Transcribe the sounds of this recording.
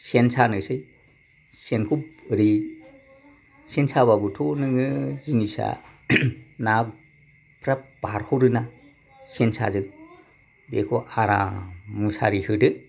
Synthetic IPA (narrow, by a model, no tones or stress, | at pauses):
sensanɯsɯj | senkʰupɾi | sensʰaβabutʰɔnɯŋɯzinisa̰ | nak | pʰɾap̚b̥aɾhuɾɯna | sensa̰zɯk̚ | bekʰɔʔaɾa̰musa̰ɾihɯdɯ